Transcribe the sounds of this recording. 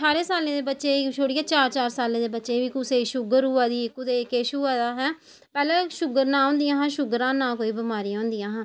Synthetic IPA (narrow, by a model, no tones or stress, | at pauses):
ʈʰaːɾẽːsaːlẽːd̪eːbətːʃeːt͡ʃʰoːɽiːaːt͡ʃaːɾt͡ʃaːɾsaːlẽːd̪eːbətːʃẽːʋiːkʊseːʃʊɡəɾuːaːd̪iːɪkʊd̪eːkeːʃuːaːd̪aːɦɛː | pɛːlɛ̃ːʃʊɡəɾnãːõːnd̪ijãːɦãːʃʊɡəɾãːnãːkoːiːbəmaːɾiãːʊːnd̪ijãːɦãː